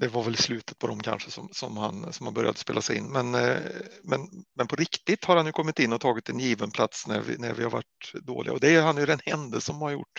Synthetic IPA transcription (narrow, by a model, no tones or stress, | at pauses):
d̪ɛvaɾvɛlslʉːt̪ə̥t̪̚pʰɔd̪ɔmkʰa̰nʂəsɔmsɔmhansɔmhanbœɾja̰d̪əspeːlasɛjɪnːmɛn | mɛnmɛnpʰɔɾɪkt̪ɪt̪haɾhanjɵkʰɔmːɪt̪ɪnːɔt̪ʰɑːɡɪt̪ɛnjiːvənpʰlat̪snæ̰ɾvɪ̰næ̰ɾvɪhaɾva̰ʈːd̪o̰ːlɪɡaɔd̪ɛæɾhanjɵd̪ɛnhɛnd̪əlsəɔmaɾjʊ̰ʈː